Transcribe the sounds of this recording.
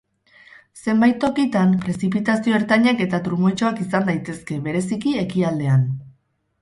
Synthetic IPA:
se̞mbajt̪ːo̞kit̪ampɾe̞sip̬it̪asio̞eɾt̪aɲake̞t̪at̪ɾumo̞jt͡ʃo̞akisand̪ajt̪e̞ske̞βe̞ɾe̞sikie̞kiald̪e̞an

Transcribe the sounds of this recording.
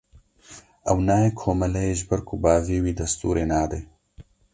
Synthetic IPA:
ɐwnaːjeːkʰoːmɐlɛjeːʒbɐɾkʰʊbaːviːwiːd̪ɐst̪ṵːɾʔeːnaːd̪eː

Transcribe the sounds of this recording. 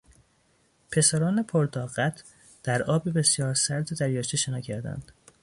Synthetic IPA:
pʰe̞sæɾɒːnepʰoɾd̪ɒːɣæt̪ʰ | d̪̥æɾɒːbibe̞sjɒːɾsæɾd̪ed̪æɾjɒːʃt̪eʃenɒːcʰæɾd̪æ̰nd̪̥

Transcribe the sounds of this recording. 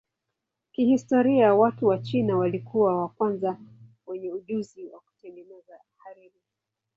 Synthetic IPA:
kihistɔɾiawatuwat͡ʃinawalikʰuwawakwanza | wɛɲɛuʄuziwa̰ku̥tɛŋɡɛnɛza | haɾiɾi

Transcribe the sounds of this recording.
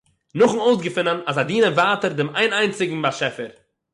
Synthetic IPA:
nʊχn̩oʊsɡəfɪnənasadiːnəvaːtəɾdɪmaɪnaɪnt͡sɪɡŋ̩baʃɛfəɾ

